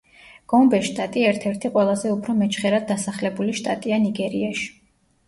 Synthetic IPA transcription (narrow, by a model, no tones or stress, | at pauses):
ɡ̥ɔmbɛʃt̪ʼat̪ʼiɛɾt̪ʰɛɾt̪ʰiqʼwɛlˠazɛupʰɾɔmɛt͡ʃʰχɛɾad̪̚ːasaχlɛbuliʃt̪ʼat̪ʼianiɡɛɾiaʃi̥